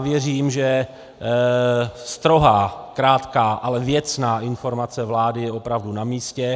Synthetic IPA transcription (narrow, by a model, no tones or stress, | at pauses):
vjɛriːmʒɛ | st̪ɾo̞ɦakɾaːt̪kaːʔalɛvjɛt͡snaːʔɪnfo̞ɾmat͡sɛvlaːdɪjɛo̞pɾavdunamiːscɛ